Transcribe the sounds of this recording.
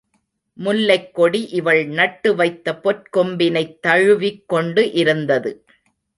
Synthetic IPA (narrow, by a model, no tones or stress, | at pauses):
mʊlːɐɪkːɔɽiʔɪʋɐɭnɐʈːɯʋɐɪt̪ːɐpɔʈ̚kɔmbɪnɐɪt̪ːɐɻɯʋɪkːɔɳɖɯʔɪɾɯnd̪ɐðɯ